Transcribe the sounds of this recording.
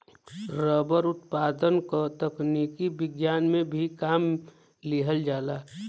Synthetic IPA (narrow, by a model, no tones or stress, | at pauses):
ɾəbəɾʊt̪paːd̪ənkət̪əknikibɪɡjaːnmẽbʱikaːm | liɦəld͡ʒaːlaː